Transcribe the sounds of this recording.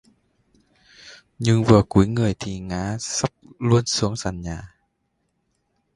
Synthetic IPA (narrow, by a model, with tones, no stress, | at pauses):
ɲɨ˧ŋvɨ˨˩ku˨˦əjŋɨ˨˩əjt̪ʰi˨˩ŋaː˨˦sa˦˥p̚lu˧ənsu˨˦əŋza˨˩ŋɲaː˨˩